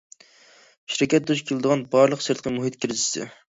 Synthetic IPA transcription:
ʃiɾɪkʲɛt̪̚d̪uʃkʲʰelˠɨd̪əʁɑnbɑɾlˠəqsɨɾt̪̚qʰəmuɦɨt̪kʲʰiɾɪzɪ̥sɪ̰

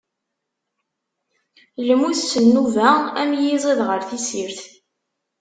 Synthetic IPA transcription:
lmuθːənːuvææmjizˤeðʁəɾθisiɾθ

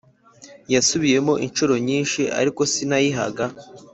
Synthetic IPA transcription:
jasuβije̞mo̞ʔinʃuɾo̞ɲiːnʃiʔa̰ɾiko̞sinajiɦa̰ɡa

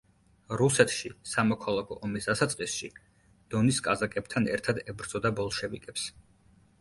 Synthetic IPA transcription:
ɾusɛt̪ʰʃisamɔkʰalˠakʰɔ̰ʔɔmisd̪̥asat̪sʼqʼisʃi | d̪̥ɔniskʼazakʼɛb̚t̪ʰanɛ̰ɾt̪ʰad̪ɛbɾd̪zʼɔd̪abɔlˠʃɛvikʼɛps

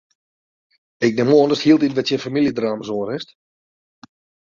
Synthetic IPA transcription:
ɪk̚nɪmoːəndəsthiəlˠtitʋɛtsjɛfamiljədraːməzoːəɾɪst

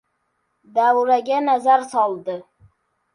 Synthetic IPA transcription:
d̪awɾaɡʲanazaɾsɒlˠd̪ɪ

